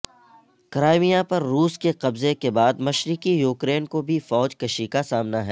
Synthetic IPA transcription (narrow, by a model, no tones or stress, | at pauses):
kɾaːɪmijapɐɾːuːskeqɐbzekebaːd̪mɐʃɾɪkijuːkɾeːnkobʱifɔːd͡ʒkɐʃikasaːmnaɦɛ